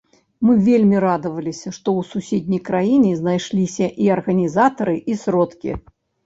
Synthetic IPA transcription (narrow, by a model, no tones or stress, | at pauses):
mɨvʲelʲmʲiɾad̪ɐvɐlʲisʲɐʂt̪ɔwsusʲed̪ʲnʲɐjkɾajinʲiznajʂlʲisʲɐʔiɐrɣɐnʲizat̪ɐɾɨʔisɾɔt̪kʲḭ